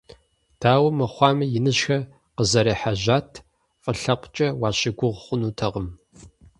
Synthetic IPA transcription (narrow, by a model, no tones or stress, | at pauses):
d̥ʰaːwɐmɐχʷɑːmɨjɪnɨɕxɐ | qəzɐɾiːħaʑaːtʰ | fʼɨɬɐqʷt͡ʃʼɐwɑːɕɪɡʷʊʁχʷʊnuːtʰɐʁəm